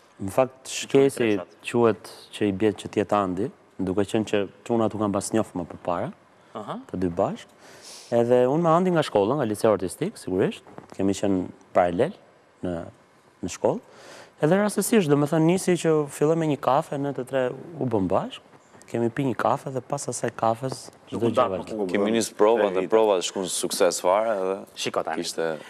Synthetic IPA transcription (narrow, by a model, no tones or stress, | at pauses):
nəfak̚t̪ʃkɛsit͡ʃuhɛt̪t͡ʃəibjɛt̪̚t͡ʃət̪jɛt̪and̪i | d̪ukɛt͡ʃənt͡ɕət̪unat̪ukambasɲɔfmɛpəpaɾa | t̪əd̪ybaʃkɛðɛunmɛand̪iŋɡaʃkɔlˠaŋɡalit͡sɛaɔɾt̪ist̪iksiɡuɾiʃt̪̚kʰɛmit͡ɕən | paɾalɛl | nə | nəʃkɔlˠɛðɛɾasəsiʃ̬t̪d̪ɔmɛθənːisicəfilˠɔjmɛɲəkafɛnət̪ət̪ɾɛubəmbaʃk̚ | kɛmipiɲəkʰafɛðɛpasasajkafɛs | d̪ɔd͡ʒvakiminispɾɔvaɛpɾɔvaʃkusuksɛsvaɾaɛðɛʃikɔt̪a̰iʃt̪ɛ